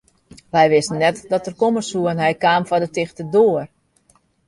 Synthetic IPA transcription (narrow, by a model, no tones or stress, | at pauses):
ʋɛjʋɪsənːɛtdɔtərkoməsuənɦɛjkaːmfɔdətɪxtədoər